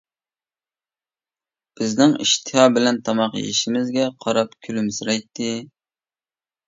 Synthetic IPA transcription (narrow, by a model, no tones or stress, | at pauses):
b̥ɪznɪŋḭʃt̪ʰɨhɑːbɪlɛnt̪ʰɑmɑqjḛʃimɪzɡʲɛqʰɑɾɑpkʲʰylymsɨɾɑjt̪ʰːɪ